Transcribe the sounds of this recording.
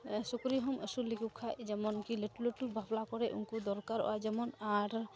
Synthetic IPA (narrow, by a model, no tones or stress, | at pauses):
sukɾiɦɔməsulikukʰajd͡ʒɛmɔnkileʈuleʈubʱablakɔɾɛʔṵnkud̪ɔɾkaɾɔ̰a̰d͡ʒɛmɔnaɾ